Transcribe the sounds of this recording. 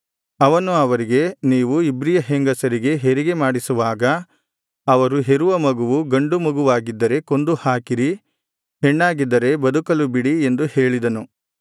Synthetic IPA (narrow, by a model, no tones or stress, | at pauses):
ɐʋɐnuɐʋɐɾiɡe̞niːʋuibɾijɐɦeŋɡɐsɐɾiɡe̞ɦeɾiɡe̞maːɽisuʋaːɡɐ | ɐʋɐɾuɦeɾuʋɐmɐɡuʋuɡɐɳɖumɐɡuʋaːɡid̪ːɐɾe̞ko̞nd̪uhaːkiɾi | ɦeɳːaːɡid̪ːɐɾe̞bɐd̪ukɐlubiɽie̞nd̪uhe̞ːɭid̪ɐnu